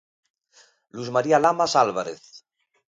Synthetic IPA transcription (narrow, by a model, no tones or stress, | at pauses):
luzmaɾialamasalβaɾeθ